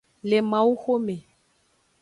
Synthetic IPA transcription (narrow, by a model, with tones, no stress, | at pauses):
le˨mã˨u˦xo˦me˨